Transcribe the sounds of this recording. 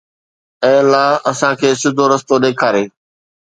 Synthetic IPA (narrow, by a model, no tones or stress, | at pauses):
ɛ̃ːlaːɐsãkʰeːsʊd̪ʱoɾɐst̪oɗeːkʰaːɾeː